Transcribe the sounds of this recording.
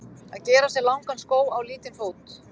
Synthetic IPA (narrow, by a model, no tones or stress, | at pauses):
aðcɛːɾasjɛɣlawŋkanskoːwawliːt̪ɪnfoːwt̪